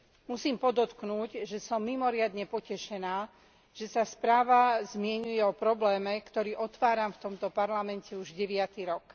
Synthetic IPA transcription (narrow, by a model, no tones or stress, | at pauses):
musiːmpɔd̪ɔt̪knuːɟʒɛsɔmːimɔɾɪad̪ɲɛpɔcɛʃɛnaː | ʒ̥ɛsaspɾaːʋazmɪɛɲujɛɔpɾɔblɛːmɛkt̪ɔɾiːʔɔt̪ʋaːɾamft̪ɔmt̪ɔpaɾlamɛncɛuʒɟɛʋɪat̪iɾɔk